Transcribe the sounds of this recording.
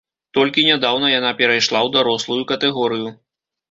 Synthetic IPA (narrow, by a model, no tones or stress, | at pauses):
t̪ɔlʲkʲinʲad̪awnɐjanapʲɛɾajʂlˠawd̪aɾɔslˠujukɐt̪ɛɣɔɾɨju